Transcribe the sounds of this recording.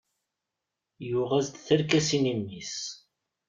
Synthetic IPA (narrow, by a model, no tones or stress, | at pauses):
jʊʁæzd̪θəɾkæsinimːis